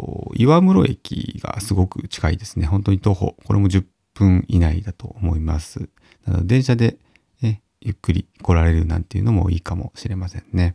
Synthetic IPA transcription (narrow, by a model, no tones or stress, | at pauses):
iβamɯ̟ɾo̞̰e̞̰kʲḭɡ̥a̰sɨɡo̞kɯ̟t͡ɕi̥kaid̪e̞sɨne̞ɦõ̞nt̪o̞ɲ̟it̪o̞ːho̰ko̞ɾʔe̞mo̞ʑɨpːɯ̟̃ɰinaid̪at̪o̞̰ːmo̞imasɨ | nad̪od̪ẽ̞ɰ̃ɕad̪e̞ | e | jɯ̟kːɯ̟ɾʲiko̞ɾaɾe̞ɾɯ̟nã̰nt̪e̞jɯ̟no̞mo̞̰iːkamo̞̰ɕiɾe̞masẽ̞nːe̞